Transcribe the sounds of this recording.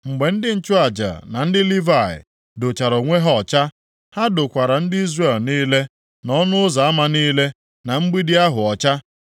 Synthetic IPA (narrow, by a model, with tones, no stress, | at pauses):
ŋ͡m̩˨ɡ͡be˨n̩˦dɪ˦n̩˦t͡ʃʊ˦a˨d͡ʒa̰˨na˨n̩˦dɪ˦li˦va˨ɪ̰˨ | do˨t͡ʃa˨ɾo˨ŋʷe˦ɦɔ˦˨t͡ʃa˦ | ha˦dʊ˨kʷa˨ɾa˨n̩˦dɪ˦i˦zre˦˨lniː˦le˦ | nɔ˦nʊ˦ʊ˦za˨a˦ma˦niː˦le˦ | na˨ŋ͡m̩˦ɡ͡bi˦dɪ˦a˦ɦʊ˨ɔ˨t͡ʃa˦